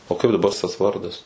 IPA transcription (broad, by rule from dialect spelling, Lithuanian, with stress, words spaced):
oː ˈkɐɪp dɐˈbɐ s tɐs ˈʋɐrdɐs